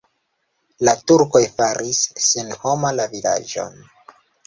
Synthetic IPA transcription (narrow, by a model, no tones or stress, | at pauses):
latuɾko̞jfaɾisːenho̞malavila̰d͡ʒo̞̰n